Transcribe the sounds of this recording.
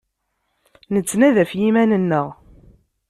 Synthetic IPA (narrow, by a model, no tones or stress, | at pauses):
nət͡sːnæðæfjimænənːəʁ